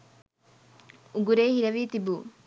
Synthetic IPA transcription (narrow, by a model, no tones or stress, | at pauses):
uɡuɾeːhiɾɐʋiːt̪ibuː